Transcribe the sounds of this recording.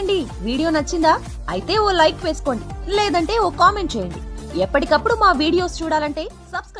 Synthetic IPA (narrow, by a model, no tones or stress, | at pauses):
ɳɖiʋiːɽijo̞ːnɐt͡ʃːind̪aː | ɐ̰jit̪e̞ːoːlɐjʈʋe̞ːsu̥ko̞ːɳɖileːd̪ɐɳʈe̞ːoːkaːme̞ɳʈ̚t͡ʃeːjɐɳɖiɛpːɐʈikɐpːuɽumaːʋiːɽijo̞ːst͡ʃuːɽaːlɐɳʈe̞ːsɐbsk